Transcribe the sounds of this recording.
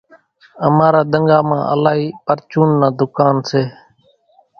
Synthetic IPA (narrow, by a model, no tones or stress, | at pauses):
əmaːɾaːɗ̪əŋɡaːmã̰ːʔə̰laːɦiːpəɾt͡ʃuːnːaːd̪ʊkaːnseː